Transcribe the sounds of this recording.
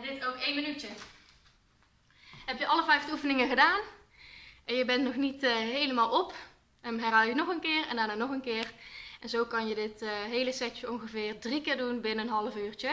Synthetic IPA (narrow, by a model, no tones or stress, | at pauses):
dɪtowkejnmənytə | ɦɛpjəʔɑləvɛjvdufənɪŋəɣədaːn | ɛnjəbɛntnɔχnitɦejləmaːlˠɔp | əmɦɛrɦaːlˠjənɔχənkɪːrɛ̰ndaːɹnaːnɔχənkɪːrʔɛnzowkɑnjədɪtɦejləsɛt͡ʃəɔnɣəvɪːrdrikɪːɹdunbɪnəənɦɑlˠəfyːɹt͡ʃə